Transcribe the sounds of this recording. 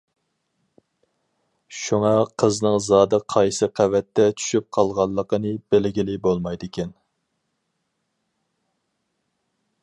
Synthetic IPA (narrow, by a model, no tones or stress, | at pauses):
ʃuŋɑqʰəznɨŋzɑːd̪ɨqʰɑjsɨqʰævɛt̪ːɛt͡ʃʰy̥ʃyp̚qʰɑlˠʁɑlˠːəqənɨbelɡʲilɪbolˠmɑjd̪ɪkʲɛn